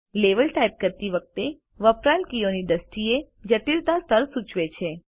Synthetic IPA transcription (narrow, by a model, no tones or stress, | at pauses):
leʋəlʈaip̚kəɾt̪iʋək̚t̪e | ʋəpɾalkijoniɖ̪əsʈie | d͡ʒət̪ilt̪ast̪əɾsut͡ʃʋet͡ʃʰe